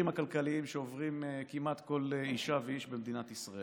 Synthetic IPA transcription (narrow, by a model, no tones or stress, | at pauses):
imakalkaliimʃeovʁimekimat̪ko̞leiʃaveiʃbemd̪inat̪isʁae